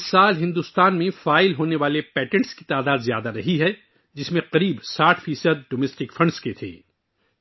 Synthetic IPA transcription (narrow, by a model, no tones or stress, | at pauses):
saːlɦɪ̃nd̪ust̪aːnmẽfaːɪlɦoːneʋaːlepɛːʈɛ̃ɳʈskit̪aːd̪aːd̪zja̰ːd̪aɾɐɦiɦɛ | d͡ʒɪsmẽqɐɾiːbsaːʈʰfiːsəd̪̚ɖoːmɛːsʈɪkfʰɐ̃ɳɖsket̪ʰḛː